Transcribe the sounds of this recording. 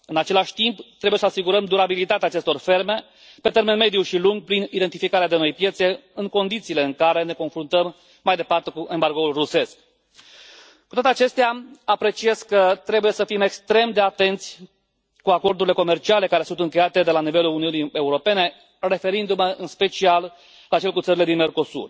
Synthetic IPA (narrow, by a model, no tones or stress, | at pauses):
ɨnat͡ʃe̞laʃʲt̪impt̪ɾebujesəasiɡuɾəmd̪uɾabilit̪at̪eaːt͡ʃe̞st̪o̞rfe̞rme̞ | pe̞t̪e̞ɾme̞nme̞d̪ijuʃiluŋɡ̚pɾinid̪e̞nt̪ifikaɾead̪e̞no̞jpje̞t̪se̞ɨŋko̞nd̪it̪siːle̞ɨŋkaɾe̞ne̞ko̞nfɾunt̪əmː | ajd̪e̞part̪e̞kuʔe̞mbarɡo̞ulruse̞sk | kut̪at̪eat͡ʃe̞st̪eaapɾe̞t͡ʃie̞skːət̪ɾe̞buje̞səfime̞kst̪ɾe̞md̪e̞at̪e̞nt̪sʲ | kuako̞rd̪uɾile̞ko̞me̞rt͡ʃiale̞kaɾesunt̪ɨŋkʲe̞jat̪e̞d̪e̞lanive̞luluniunie̞uɾo̞pe̞ne̞ | re̞fe̞ɾind̪uməʔɨnspe̞t͡ʃial | lat͡ʃe̞lkut̪səɾile̞d̪inme̞rko̞sṵr